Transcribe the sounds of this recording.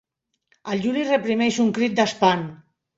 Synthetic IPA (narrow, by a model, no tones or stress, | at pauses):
alʒulirepɾimɛʃuŋkɾit̪̚d̪aspan